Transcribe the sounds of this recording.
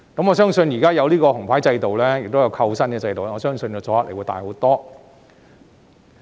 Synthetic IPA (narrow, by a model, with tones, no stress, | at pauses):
kɐ˨˥mŋɔː˨˧sœː˥ŋsɵ˧njiː˨˩kaː˥jɐ˨˧wliː˥kɔː˧hʊ˨˩ŋpʰaː˨˥jt͡sɐ˧jt̪o˨wlɛː˥jɪ˨k̚t̪o˥jɐ˨˧wkʰɐ˧wsɐ˥nkɛ˨˧t͡sɐ˧jt̪o˨˧˥ɔː˨˧sœː˥ŋsɵ˧njɐ˨˧t͡sɔː˨˥ɐ˥lʔe˨˩wu˨˧jt̪a̰ː˨jho˨˥t̪ɔː˥